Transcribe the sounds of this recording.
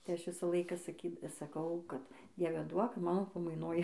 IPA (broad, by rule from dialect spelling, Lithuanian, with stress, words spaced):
tɐɪ ˈɐʃ ˈʋʲɪsɑː ˈlˠɐɪkɑː sɐˈkʲiː sɐˈkɐʊ ˈkɐt ˈdʲiɛʋʲɛ ˈduɔk ˈmɑːnoː pɐmɐɪˈnoːj